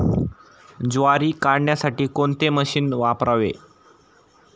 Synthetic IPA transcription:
d͡zoaɾiːkaɽɳjasaʈiːkont̪eməɕiːnʋapɾaʋḛ

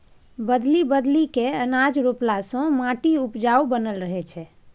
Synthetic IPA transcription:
bəd̪libəd̪likeənad͡ʒɾuplasɔ̃mãʈiupd͡ʒaubənəlɾəɦɛt͡ʃʰɛ

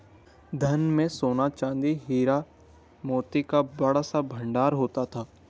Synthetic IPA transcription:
d̪ʱɐnmẽsoːnat͡ʃãːnd̪iɦiːɾa | moːt̪ikabɐɽ̤asabʱɐ̃ɳɖaːɾɦoːt̪at̪ʰaː

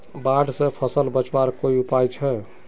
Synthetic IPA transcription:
baɖsə̃pʰəsəlbət͡ʃwaɾkoiupajt͡ʃʰɛ

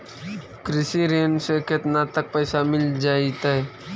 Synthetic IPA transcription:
kɾɪsiɾeːnseket̪nat̪ək̚pɛːsamɪld͡ʒaːit̪aɦɛ

